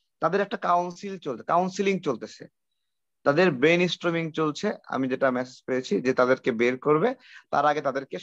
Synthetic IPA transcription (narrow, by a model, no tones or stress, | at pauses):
t̪ad̪eɾɛk̚ʈakawnsilt͡ɕoltʰekawnsiliŋt͡ɕolt̪et͡ɕʰḛ | t̪ad̪eɾbɾejnisʈɾimiŋt͡ɕolt͡ɕʰea̰mid͡ʑeʈamɛsed͡ʑpeɾet͡ɕʰid͡ʑet̪ad̪eɾkebeɾkoɾbet̪a̰ɾaɡet̪ad̪eɾke